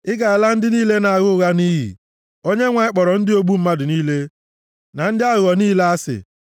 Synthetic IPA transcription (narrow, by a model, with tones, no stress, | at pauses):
ɪ˦ɡa˨ɪ˨la˦n̩˦dɪ˦niː˦le˦na˨a˨ɣʊ˦˨ɣa˦niː˦ɦḭ˨ | o˦ɲe˦ŋʷa˨ɪ˦k͡pɔ˨ɾɔ˨n̩˦dɪ˦o˦ɡ͡bu˦m̩˦ma˦dʊ˨niː˦le˦ | na˨n̩˦dɪ˦a˦ɣʊ˨ɔ˨niː˦la˦a˦sɪ̰˨